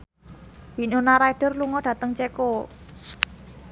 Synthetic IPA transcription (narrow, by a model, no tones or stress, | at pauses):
binonaɾaiɖ̥ə̤rluŋɔɖ̥ä̤t̪əŋt͡ʃeko